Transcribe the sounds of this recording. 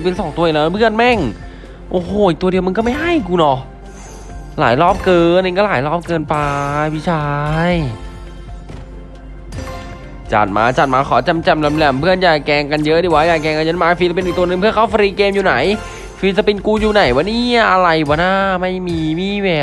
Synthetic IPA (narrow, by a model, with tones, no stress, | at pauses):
pi˧nsɔ˨˦ŋt̪u˧˨˩lɛː˦˥˧pʰɯ˥˩ənmɛ˥˩ŋ | ʔoː˧hoː˨˧ʔi˨˩k̪̚u˧di˧wma˧nkɔː˥˩ma˥˩ɦa˥˩jkuː˧nɔ˨˦ | laː˩˦jlɔː˥˩p̚kɤː˧nːe˧kɔ˥˩laː˨˩˦jlɔː˥˩p̚kɤː˧npa˧pʰi˦˧˥t͡ɕʰaː˧j | t͡ɕa̰˨˩t̪̚ma̰ː˧t͡ɕa˨˩t̪̚maː˧kʰɔː˩˦t͡ɕa˧mt͡ɕa˧mla˧mlɛ˧˩mpʰɯ˥˩ənjaː˨˩kkɛː˧ŋka˧njɤ˦˥ʔdiː˧˩waː˦˥˩jaː˨˩kɛː˧ŋka˧njɤ˦˥nmaː˧fi˧sa˧pi˧nʔiː˨˩kt̪u˧nɯ˧ŋpʰɯ˥˩ɐkʰa˥˩wfa˧ɾiː˧keː˧mjuː˨˩na˩˦j | fi˧s̬a˧pi˧nkuː˧juː˨˩na˨˩˦jwa˧˦nːiː˥˩ʔa˧ɾa˧jbɔː˨˩˦naː˥˩ma˥˩jmiː˧miː˧˥˩wɛː˨˩